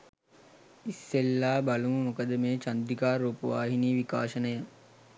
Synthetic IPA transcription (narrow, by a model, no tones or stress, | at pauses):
isːelːaːbaluməmokəd̪əmeːt͡ʃand̪ikaːɾuːpəʋaːɦiniːʋikaːʃənəjə